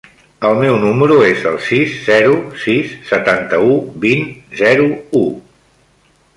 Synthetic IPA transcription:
əlˠmɛwnuməɾuezəlˠsisːɛɾusisːət̪ant̪əubinzɛɾuu

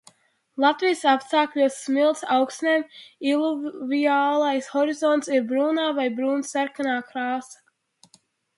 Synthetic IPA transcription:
lˠat̪vijsapst̪aːkʎʲuɔsːmilˠt̪sawksneːmilˠuviaːlˠajsxɔɾizɔnt̪siɾbɾuːnaːvajbɾuːnsːaɾkanaːkɾaːsḁ

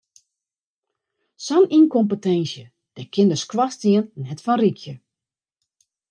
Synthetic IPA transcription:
sɔninkompətɛnsjə | d̥ɛkʰɪndəskwɔstiənːɛtfɔnrikʰjə

